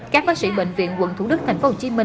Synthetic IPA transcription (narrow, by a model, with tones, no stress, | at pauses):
kaː˦˥k̚faː˦˥sḭ˧˩ɓḛ˧˨jŋ̟vḭ˧˨ənkwə̰˧˨nt̪ʰu˧˩ɗɨ˦˥k̚t̪ʰa˨˩jŋ̟fo˦ho˧˨˩t͡ɕi˧əmï˨˩